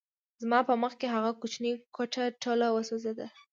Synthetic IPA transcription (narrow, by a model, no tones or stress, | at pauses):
zmɑpəməxkeɦaɣakʊt͡ʃnikoʈaʈolawəsozed̪a